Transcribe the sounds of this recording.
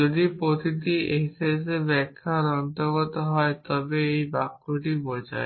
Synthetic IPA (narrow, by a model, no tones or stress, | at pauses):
od̪ipɾot̪it̪ieɦsʰesebɛkʰːaɾɔnt̪ɔɡɔt̪ɔɦɔet̪ɔbeejbakːoʈibɔjd͡ʒa̰e